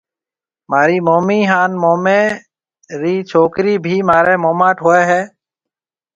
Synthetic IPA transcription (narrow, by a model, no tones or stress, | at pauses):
maːɾiːmoːmiːɦaːnmoːmẽː | ɾiːt͡ʃʰoːkɾiːbʱiːmaːɾeːmoːmaːʈɦoːeːɦɛː